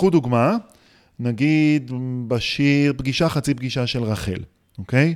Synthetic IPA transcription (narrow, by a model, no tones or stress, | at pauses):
ud̪uɡma | naɡid̪baʃiʁpɡiʃaχat͡sip̚ɡiʃaʃe̞lʁaχḛl | oke̞j